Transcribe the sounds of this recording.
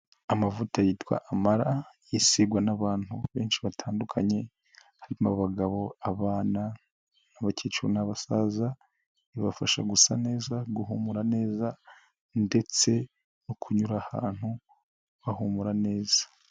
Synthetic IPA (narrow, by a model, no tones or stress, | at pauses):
amavutajitwa̰ʔamaɾajisiɡwanaβaːn̥hṵβe̞ːnʃiβatʰaːndukʰaɲe̞ | haɾimaβoβaɡaβo̞aβaːna | aβaceːt͡ʃuɾonaβasaza | iβafaʃa̰ɡusane̞ːzaɡuɦumuɾane̞ːza | nde̞t͡se̞ | nokʰuɲuɾaha̰ːn̥hu | βahumuɾane̞ːz̥ḁ